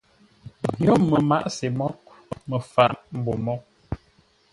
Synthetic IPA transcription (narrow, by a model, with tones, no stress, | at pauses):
jo˦˨mə˨ma̰˦˨ʔse˨mɔ˦k̚ | mə˨fa˦˨ʔm̩˨˦bo˨mɔ˦